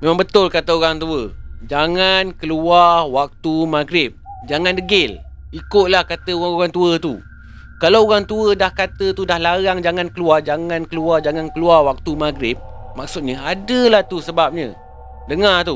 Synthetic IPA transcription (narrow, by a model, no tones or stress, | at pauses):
mẽmãŋbət̪ʊlkat̪əoɾaŋt̪uəd͡ʒaŋankəluarwak̚t̪umaɡɾɪp̚d͡ʒaŋandəɡɪl | ikʊt̪̚lahkat̪əuɣaoɣaŋt̪uət̪u | kalaoɣaŋt̪uədahkat̪ət̪udahlaɾaŋd͡ʒaŋankəluard͡ʒaŋãnkəluard͡ʒaŋankəluarwak̚t̪umaɡɾɪp̚maksʊt̪̚ɲəadəlat̪usəbap̚ɲə̰̃ | dəŋat̪u